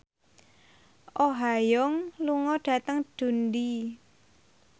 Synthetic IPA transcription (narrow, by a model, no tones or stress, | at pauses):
ʔoɦajɔŋluŋɔɖ̥ä̤t̪əŋɖ̥ṳndi